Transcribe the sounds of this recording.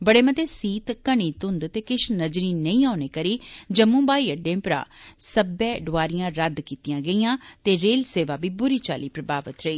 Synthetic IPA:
bəɽeːmət̪eːsiːt̪kəɳ̃iːt̪ʊnd̪t̪eːkɪʃnəd͡ʒɾiːnəĩːaːʊneːkəɾiːd͡ʒəmũːbaːiːəɖẽːpɾa̰ːsəbɛːɖʊaːɾɪjãːɾəd̪kiːt̪ijãːɡəijãːt̪eːɾeːlseːʋaːbiːbʊɾiːt͡ʃa̰ːliːpɾəbaːʋət̪ɾəiː

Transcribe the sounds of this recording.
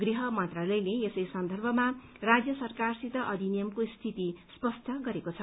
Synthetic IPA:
ɡriɦʌmʌnt̪ralʌjleesʌjsʌnd̪ʱʌrbʱʌma | rad͡zjʌsʌrkarsit̪ʌʔʌd̪ʱinijʌmkost̪ʰit̪ispʌst̪ʰʌɡʌɾekot͡sʰʌ

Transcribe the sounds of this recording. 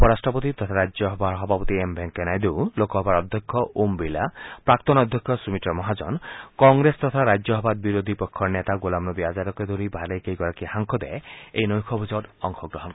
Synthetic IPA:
pɔɾasʈɾɔpɔt̪it̪ɔt̪ʰaɾad͡ʒjɔɦɔbʱaɾɦɔbʱapɔt̪iembʱeŋkenajd̪ulokɔɦɔbaɾɔd̪ʱjɔkʰːɔʔumbilapɾak̚t̪ɔnɔd̪ʱjɔkʰːjɔsumit̪ɾɔmɔɦad͡ʒɔnkɔŋɡɾest̪ɔt̪ʰaɾad͡ʒjɔɦɔbad̪̚biɾod̪ʱipɔkʰːɔɾnet̪aɡolamnɔbiad͡ʒaɾɔked̪ʱɔɾibʱaɾejkejkɔɾakihaŋkʰɔd̪ɛ̰eejnɔjkʰɔbʱid͡ʒɔɖɔŋkʰɔɡɾɔɦɔn

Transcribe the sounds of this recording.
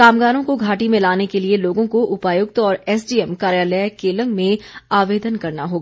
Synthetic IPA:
kaːmɡaːɾõkoɡʱaːʈimẽlaːnekelieloːɡõkoʔʊpaːjʊk̚t̪ɔːɾɛːsɖiːɛmkaːɾjaːləkeːlə̃ŋɡmẽaːʋeːd̪ənkɐɾnaɦoːɡaː

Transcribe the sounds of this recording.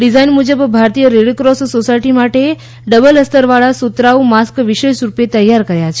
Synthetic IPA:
ɖid͡ʒajnmud͡ʒəbbʱaɾt̪ijəɾeɽkɾɔssosajʈimaʈe | ɖəbələst̪əɾʋaɭasut̪ɾaumaskʋiʃeʃɾupet̪əjːaɾkəɾjat͡ʃʰe

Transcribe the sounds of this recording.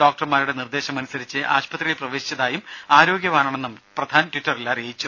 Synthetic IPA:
ɖo̞ːk̚ʈɐrmaːɾuɽe̞nird̪e̞ːɕɐmɐnusɐɾit͡ɕːɨʔa̰ːɕpɐt̪rijilprɐʋe̞ːɕi̥t͡ɕːɐðaːjumaːɾo̞ːɡjɐʋaːɳaːɳenːumprɐd̪ʱaːntwitːɐrilːaːrejit͡ɕːu

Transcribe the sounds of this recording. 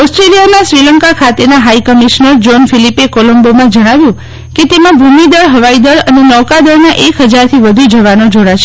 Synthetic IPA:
ɔsʈɾelijamãsɾiləŋkakʰat̪enaɦaikəmiʃnəɾd͡ʒonfilipekɔlombomãd͡ʒəɽ̃aʋjũ | ket̪emãbʱumid̪əɭɦəʋaid̪əɭənenɔkad̪əɾnaʔekɦəd͡ʒaɾt̪ʰiʋəd̪ʱud͡ʒəʋanod͡ʒoɽat͡ʃʰe

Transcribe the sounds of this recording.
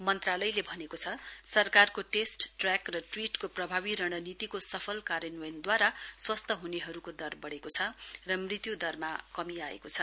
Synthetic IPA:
mʌnt̪ralʌjlebʱʌnekot͡sʰʌsʌrkarkoʈesʈʈrakrʌʈriʈkoprʌbʱabiɾʌɽ̃ʌnit̪ikosʌpʰʌlkaɾjʌnwejnd̪waɾaswʌst̪ʰʌɦuneɦʌɾukod̪ʌrbʌɽekot͡sʰʌrʌmrit̪jud̪ʌrmakʌmiaḛkot͡sʰʌ

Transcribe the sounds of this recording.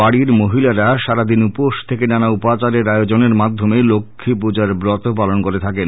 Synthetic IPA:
aɽiɾmoɦilaɾaʃaɾad̪inupoʃt̪ʰekenanaupat͡ɕaɾeɾaeod͡ʑoneɾmad̪ʱːomelokʰːip̬ud͡ʑaɾbɾɔt̪opalonkoɾet̪ʰaken

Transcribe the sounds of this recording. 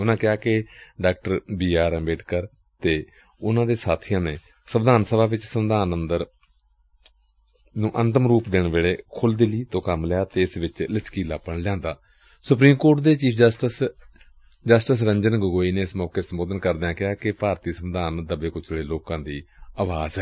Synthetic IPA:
ʊnãːkɪjaːkɪɖaːkʈəɾbiːaːɾɛ̃beːʈkəɾ | t̪eː | ʊnãːd̪eːsaːt̪ʰijãːnẽː | səʋd̪aːnsəbaːʋɪt͡ʃsəmd̪aːnənd̪əɾ | nũːʔə̃nt̪əmɾuːpd̪ɪɳʋeːɽeːkʰʊld̪ɪliːt̪õːkəmlɛjaːt̪eːɪsʋɪt͡ʃlɪt͡ʃkiːlaːpːəɳljãːnd̪aː | sʊpɾiːmkoːɾʈd̪eːt͡ʃiːd͡ʒsʈəs | d͡ʒəsʈəsɾəɲd͡ʒənɡʊɡoːiːneːɪsmɔːkeːsəmboːd̪ənkəɾd̪eãːkɪɦaːkɪpaːɾt̪iːsəmd̪aːnd̪əbeːkʊt͡ʃʰːɽeːloːkãːd̪iːaːʋaːzɦɛː

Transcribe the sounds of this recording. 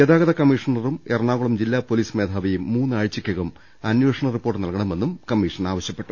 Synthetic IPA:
ed̪aːɣɐðɐkɐmiʂɐnɐrumerɳaːɣuɭɐmd͡ʑilːaːpo̞liːsme̞ːd̪ʱaːʋɐjumːuːnːɨaːɻt͡ɕːikʲːɐɣɐm | ɐnjweʂɐɳɐripːoːʈːɨnɐlkɐɳɐme̞nːumkɐmːiːʂɐnaːʋɐɕjɐpːeʈːu

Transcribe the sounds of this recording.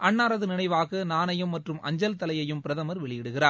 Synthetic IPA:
ʔɐɳːaːɾɐðɯnɪnɐɪʋaːɣɐnaːnɐjɯmːɐʈrɯmɐ̰ɲd͡ʒɐlt̪ɐlɐjɐjɯmpɪɾɐðɐmɐɾʋɛɭɪjɪɽɯɣɪraːɾ

